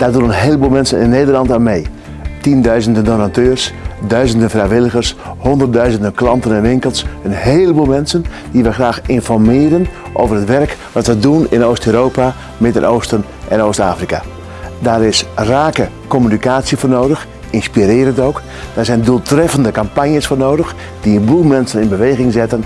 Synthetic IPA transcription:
d̥aːrdunənɦeːləbuːlˠmɛnsənɪ̰nːeːdərlɑntamej | tindœɥzəndəndonatøːrsdœɥzəndənfrɛjʋɪlˠəɣərshondərdœɥzəndənklɑntənɛnʋɪŋkəlˠsənɦeːlˠəbuːlˠmɛnsən | diʋɛxraːxɪnfɔrmɪːəɾən | ʔoːwvərhətʋɛrkʋɑtʋədunɪnoːstøɾoːpa | mɪdə̰nʔoːstən | ʔɛnoːstaːfrika̰ | daːɾɪsraːkə | komynikaːsjəfoːrnoːdəx | ɪnspiɾɪːɾəntowk | d̥aːrzɛjnduːlˠtrɛfəndəkampanjəsfoːrnoːdəx | d̥iənbulˠmɛnsənɪnbəʋejɣɪŋzɪtən

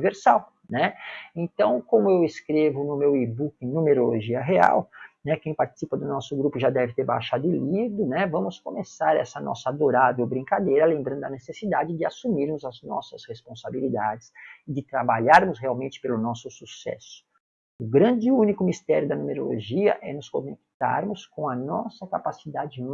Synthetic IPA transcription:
iveɾsaw | nɛẽnt̪ɐ̃w̃kõmʊewɪskɾevʊnʊmewibukẽnũmeɾoloʒiɐɦea̰wnɛkẽj̃paɾt͡ʃi̥sipɐd̪ʊnɔsʊɡɾupʊʒad̪ɛvɪt̪eɾba̰jʃad̪ʊɪlivɾʊnɛvɐ̃mʊskomesaɾɛ̰sɐnɔ̰sɐad̪oɾavewbɾĩkad̪ejɾɐlẽmbɾɐ̃nd̪ʊɐnesesid̪ad͡ʒɪd͡ʒɪasumiɾmʊzɐznɔ̰sɐshespõsabilid̪ad͡ʒɪsɪd͡ʒɪt̪ɾabaʎaɾmʊsheawmẽnt͡ʃɪ̥pelʊnɔsʊsusɛ̰sʊ̥ | ʊɡɾɐ̃nd͡ʒɪũnikʊmist̪ɛɾjʊd̪ɐnũmeɾo̰lo̰ʒiɐ̰ʔɛnʊskõ̰nek̚t̪a̰ɾmʊskõɐnɔsɐkapasid̪ad͡ʒɪ

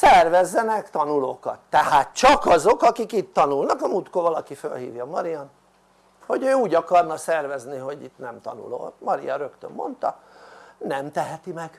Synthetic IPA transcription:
sɛrvɛzːɛnɛkt̪ɒnuloːkɒ̰t̪ːɛhaːt̪t͡ʃɒkɒzokɒkikit̪ːɒnulnɒkɒmut̪koːvɒlɒkifø̰lhḭːvjɒmɒɾijɒn | ho̞ɟøːuːɟɒkɒrnɒsɛrvɛzniɦo̞ɟit̪nɛmt̪ɒ̰nṵlo̰ːmɒɾḭjɒ̰ɾø̞kt̪ø̰mːo̞̰nt̪ɒ̰ | nɛmt̪ɛɦɛt̪imɛɡ̥

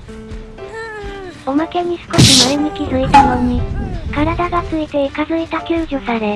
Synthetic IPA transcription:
o̞make̞ɲ̟isɨ̥ko̞ɕimaɯmɯ̟kʲisoit̪amõɲːikaɾad̪aɡat͡sɨit̪e̞ikazɨit̪akʲɨːʑosaɾe̞

